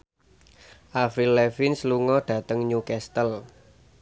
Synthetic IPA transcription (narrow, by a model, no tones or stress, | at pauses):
ʔafilːɛfɪnsluŋɔɖ̥ä̤t̪əŋɲukɛst̪əl